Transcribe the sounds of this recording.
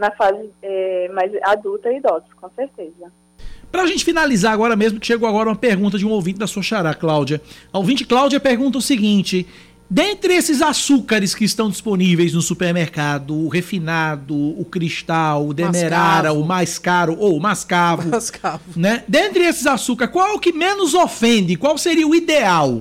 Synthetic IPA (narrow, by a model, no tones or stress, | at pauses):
nɐfazɪɛmajzad̪ut̪ɐid̪ɔzɪkõseɾt̪ezɐ | pɾɐaʒẽnt͡ʃɪ̥finalizaɾaɡɔɾɐmezmʊkɪʃeɡowaɡɔɾɐũmɐpeɾɡũnt̪̬ɐd͡ʒɪũowvĩt͡ʃɪd̪ɐsuɐʃaɾaklawd͡ʒɐɐowvĩnt͡ʃɪklawd͡ʒiɐpeɾɡũnt̪̬ɐʊsiɡĩnt͡ʃɪ | d̪ẽnt̪ɾɪesɪzasukɐɾɪskɪːst̪ɐ̃w̃d͡ʒisponivejznʊsupeɾmeɾkad̪ʊːhefinad̪ʊːkɾiʃt̪awʊd̪emeɾaɾɐʊmajskaɾʊʔomaskavʊskavnɛd̪ẽnt̪ɾɪesɪzasukɐɾkwawɛʊkɪmẽnʊzofẽnd̪ɪkwawseɾiɐʊid̪eaw